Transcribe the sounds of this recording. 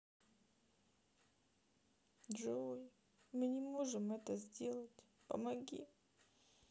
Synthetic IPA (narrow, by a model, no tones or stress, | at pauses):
ʐɨvoj | mɨnʲɪmoʐɨmɛt̪əzʲdʲe̞lˠətʲ | pə̰mɐɡʲḭ